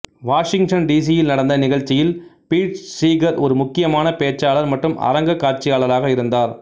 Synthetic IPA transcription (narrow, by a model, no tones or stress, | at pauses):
ʋaːʂɪŋɡʈɐnɖiːs̬ɪjɪlnɐɽɐnd̪ɐnɪɣɐɻt͡ʃːɪjɪlpiːʈsiːɡɐɾɔɾɯmʊkːɪjɐmaːnɐpeːt͡ʃaːɭɐɾmɐʈrɯmʔɐ̰ɾɐŋɡɐkːaːɾt͡ʃːɪjaːɭɐɾaːɣɐɪɾɯnd̪aːɾ